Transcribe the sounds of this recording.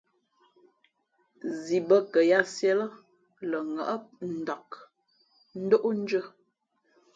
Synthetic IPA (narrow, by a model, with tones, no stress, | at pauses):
zi˨bə˦kə˨ja˦sjɛ˦lə˦ | lə˨ŋə̰˨ʔə˦p̚n̩˨da˨k | n̩˦do˦ʔo˦n̩˦d͡ʒə˦